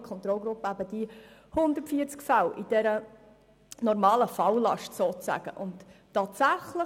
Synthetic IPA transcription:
kʰɔnt̪ɾɔlɡɾʊpːəæbəd̥ihʊnd̪əɾtfiːəɾt͡skfæwʔid̥ɛɾə | nɔɾmɑːləfɑwlɑ̰ʃtsoːt͡sæ̰ɡ̥ə̰ʔʊnttːɑːt̪sæχlə

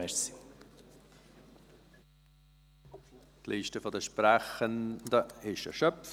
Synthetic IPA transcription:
ɛɾsi | t̪liːʃtəfɔd̪əʃpræχənd̪əɪʃə̰ʃœpf

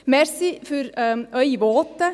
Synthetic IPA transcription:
mɛɾsɪfœɾœʏʋoːt̪ə

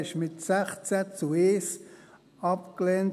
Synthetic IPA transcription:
ɪʃmɪtsɛχt͡sɛt͡sueːs | ɑpkleːn

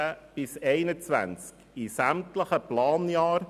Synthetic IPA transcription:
əb̥ɪsɛɪnət͡svæ̰nt͡sk | isæmtləχəplɑːnjɑːɾ

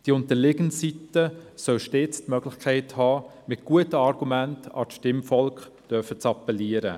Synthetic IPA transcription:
d̥iʊntəlɪɡənsitəsœlʃteːt͡stmœɡlɪxkʰɛɪthɑːmɪt̚ɡ̥uətəɑɾɡ̥umæntɑ̰ːʃtɪmfɔlkχd̥œfət͡sɑpɛliəɾə

